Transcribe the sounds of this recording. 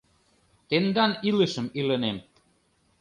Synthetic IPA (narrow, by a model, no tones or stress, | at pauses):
t̪end̪ɑniləʃə̆milə̆nem